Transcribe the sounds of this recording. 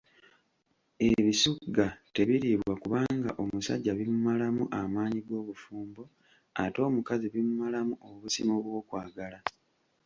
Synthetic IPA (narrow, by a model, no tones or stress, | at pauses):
e̞βisuɡːate̞βiɾiːβwakuβaːŋɡa̰ʔo̞musa̰ɟːaβimumalamṵʔamaːɲiɡo̞ːβufuːmbo̞ | ato̞ːmukaziβimumalamuoβusimoβwo̞ːkwaːɡala